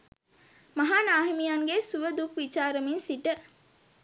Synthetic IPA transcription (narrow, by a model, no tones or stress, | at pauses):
mɐɦaːnaːɦemijaŋɡesuʋəd̪ukʋit͡ʃaːɾəminsiʈə